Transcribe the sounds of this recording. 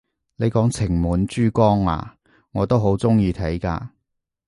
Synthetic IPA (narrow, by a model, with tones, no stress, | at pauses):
le˨˧jkɔː˨˥ŋt͡sʰɪ˨˩ŋmuː˨˥nt͡ʃyː˥kɔː˥ŋa̰ː˨˧ | ŋɔː˨˧t̪o˥wɦo˨˥wt͡sʊ˥ŋjiː˧t̪ʰɐ˨˥jka̰ː˧